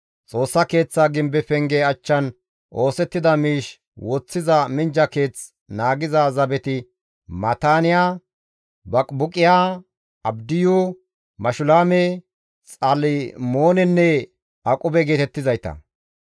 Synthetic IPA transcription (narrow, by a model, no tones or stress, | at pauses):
t͡sʼo̞ːsːɐke̞ːt͡sːaːɡɪmbɛfɛŋɡeɐt͡ʃːɐn | ʔo̞ːsɛt̪ːɪd̪ɐmiːʃ | wɔt͡sːɪzɐmɪnd͡ʒɐke̞ːt͡s | naːɡɪzazɐbɛt̪ɪ | mɐt̪aːnɪjaː | bɐkʼbʊkʼɪjaː | ɐbd̪ɪju | mɐʃʊlaːme | t͡sʼalɪmo̞ːnɛnːɛ | ɐkʼʊbɛɡe̞ːt̪ɛt̪ːɪzɐjt̪ɐ̰